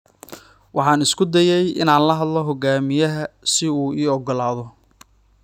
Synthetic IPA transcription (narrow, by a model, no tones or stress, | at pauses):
wʔɑħɑːnɪskʰʊd̪ɐjɛjɪ̰naːnlɐɦɐd̪lɔɦɔɡaːmɪjɐɦɐsɪuːiːɔɡɔlaːðɔ